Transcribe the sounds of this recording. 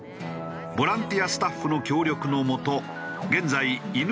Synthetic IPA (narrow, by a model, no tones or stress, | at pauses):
bo̞ɾãnt̪ijasɨ̥t̪aɸːɯ̟no̞kʲo̞ːɾʲo̞kɯ̟no̞mo̞t̪o̞ | ɡẽ̞nd͡zaiin